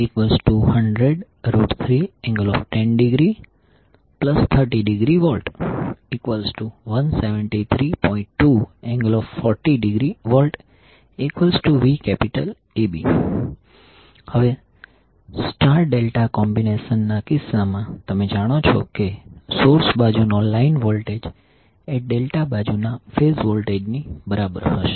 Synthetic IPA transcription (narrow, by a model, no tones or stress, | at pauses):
ikʋəlzʈuhəɳɖɾeɖ | ɾoɖt̪ʰɾiɛ̃ŋɡəlɔfʈɛnɖiɡɾi | pləst̪ʰəɾʈiɖiɡɾiʋɔlʈikʋəlzʈuʋənseʋəɳʈit̪ʰɾipɔ̃ĩɳʈːuɛ̃ŋɡəlɔffɔɾʈiɖiɡɾiʋɔlʈ | ikʋəlsʈuʋikɛpiʈəl | ebḭ | həʋe | sʈaɾʈ̚ɖelʈakɔmbineʃənːakɪsːamãt̪əmed͡ʒaɽ̃ot͡ʃʰɔ̰kesoɾsbad͡ʒunɔnlainʋɔlʈed͡ʒ | ɛɖelʈabad͡ʒunafesʋɔlʈed͡ʒnibəɾabə̰ɾɦə̰ʃe̥